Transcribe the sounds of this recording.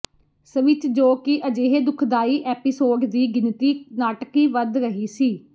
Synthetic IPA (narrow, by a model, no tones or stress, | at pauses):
səʋɪt͡ʃd͡ʒoːkɪʔəd͡ʒeːɦeːd̪ʊkʰd̪aːiːʔɛːpɪsoːɖd̪iːɡɪnt̪iːnaːʈkiːʋəd̪ɾəɦiːsiː